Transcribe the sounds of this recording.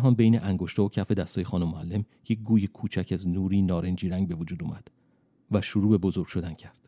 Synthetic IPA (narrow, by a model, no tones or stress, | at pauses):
ɦɒːnbejneʔæŋɡo̞ʃt̪ɒːocʰæfe̞d̪æst̪ɒːjexɒːnomːoælːe̞m | je̞c̚ɡuːjekʰuːt͡ʃʰæcʰæznuːɾiːnɒːɾe̞nd͡ʒiːɾæŋɟbe̞vod͡ʒuːd̪uːmæd̪̥ | væʃuɾuːbe̞bo̞zo̞ɾɡ̥ʃo̞d̪æncʰæɾd̪̥